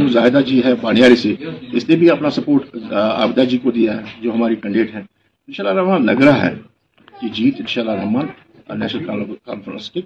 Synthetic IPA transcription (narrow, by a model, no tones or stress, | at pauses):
mʊzaːɦɪd̪ad͡ʒiɦɛbaːnɪjaːɾiseɪsnebʱiɐpnasɐpoːɾʈa̰ːbd̪ad͡ʒiːkod̪ijaɦɛd͡ʒoːɦɐmaːɾikɐ̃ɳɖeːʈɦɛ̃ː | ɪnʃaːlːaɾɐːmaːnlɐɡɾaɦɛ̰ː | kid͡ʒiːt̪ɪ̃nʃaːlːaɾɐɦmaːn | nɛ̰ːʃnəlkːka̰ːnfəɾə̰̃nske